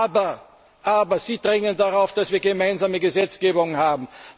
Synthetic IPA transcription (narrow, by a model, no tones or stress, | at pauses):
bɐ | ʔaːbɐz̥iːdʁɛŋəndaʁaʊfd̥asv̥iːɐɡəmaɪnzaːməɡəzɛt͡sɡ̥eːbʊŋhaːbm̩